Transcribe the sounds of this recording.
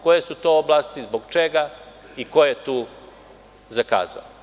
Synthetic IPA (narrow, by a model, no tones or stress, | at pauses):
kojesut̪o̞oblˠast̪izboɡt͡ʃeɡa | iko̞jet̪uː | zaka̰ːza̰o